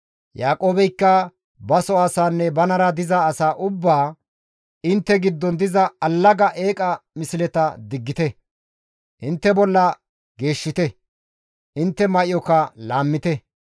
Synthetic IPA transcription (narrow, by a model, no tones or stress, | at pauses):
jaːkʼo̞ːbɛjkːɐ | bɐsɔaːsaːnːɛbɐnɐɾɐd̪ɪzɐːsaːʔʊbːaː | ɪnt̪ːɛɡɪd̪ːɔnd̪ɪzɐɐlːɐɡɐʔe̞ːkʼɐmɪsɪlɛt̪ɐd̪ɪɡːɪt̪ɛ | ʔɪnt̪ːɛbɔlːɐ | ɡe̞ːʃːɪt̪ɛ | ʔɪnt̪ːɛmɐʔɪjɔkɐlaːmːɪt̪ɛ